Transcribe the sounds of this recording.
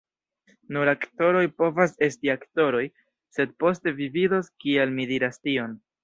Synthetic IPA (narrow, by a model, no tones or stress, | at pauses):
nuɾakto̞ɾo̞jpo̞vase̞stiakto̞ɾo̞j | se̞d̚po̞ste̞vividoskialmidiɾastio̞n